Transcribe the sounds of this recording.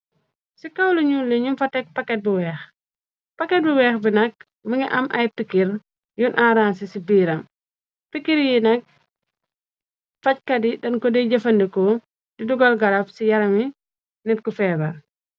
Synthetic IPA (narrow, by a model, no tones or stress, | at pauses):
sikɐwluɲulːiɲumfɐtɛk̚pɐkːɛt̚buwɛːx | pɐkːɛt̚buwɛːxbinɐk̚ | mɐŋiʔɐmʔɐjpikːiɾ | junʔaːɾaːnsisibiːɾɐm | pikːiɾjinɐk̚ | fɐc̚kɐdidɐnkɔdɛɟɐfɐndikɔ | diduɡɐlɡɐlɐfsijɐɾɐmi | nɛt̚kufɛːbɐl